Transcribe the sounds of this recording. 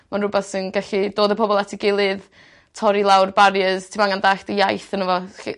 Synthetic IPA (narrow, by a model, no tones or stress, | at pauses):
manrʊbaθsɪnɡaɬidoːdəpʰɔbɔlˠatʰiɡɪlˠɨð | tʰɔɾilˠawrbaɾjəz̥tʰɪmaŋandaɬd̥əjajθənəvɔḭ